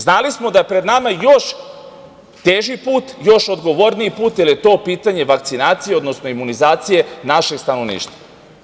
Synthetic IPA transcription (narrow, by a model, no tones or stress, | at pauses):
znalismo̞d̪ajepɾe̞d̪namajo̞ʃː | eːʒipuːt̪jo̞ʃo̞d̪ɡo̞ʋo̞ɾniipuːt̪jilijet̪o̞ːpiːt̪aɲe̞ʋak̚t̪sinaːt̪sijeo̞d̪no̞sno̞imunizaːt̪sije̞naʃe̞ɡst̪ano̞ʋnḭːʃt̪va